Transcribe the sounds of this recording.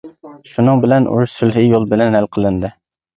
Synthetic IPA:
ʃunɨŋbɪlɛnṵɾuʃsylɦɪjolˠbɪlɛnhælqʰəlˠɪnd̪ɪ

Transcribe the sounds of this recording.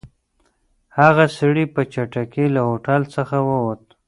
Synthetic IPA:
haɣasiɽipət͡ʃaʈakelahoʈalsəxawəwot̪

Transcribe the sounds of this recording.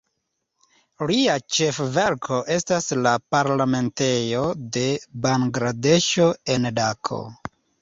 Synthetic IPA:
liat͡ʃe̞fve̞ɾkʰo̞ʔe̞staslapaɾlame̞nte̞jo̞de̞baŋɡɾade̞ʃo̞e̞ndakʰo̞̰

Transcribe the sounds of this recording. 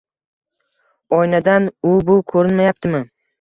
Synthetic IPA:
ɒjnad̪anʊbʊkʰɵɾɪnmajap̚t̪ʰɪmɪ

